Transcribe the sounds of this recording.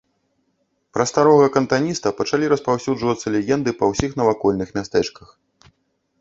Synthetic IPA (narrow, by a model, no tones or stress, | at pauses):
pɾɐst̪aɾɔɣɐkɐnt̪anʲist̪ɐpɐt͡ʂalʲiɾɐspawsʲuʐvɐt̪sːɐlʲɛɣʲɛnd̪ɨpɐwsʲixnɐvakɔlʲnɨxmʲast̪ɛt͡ʂkɐx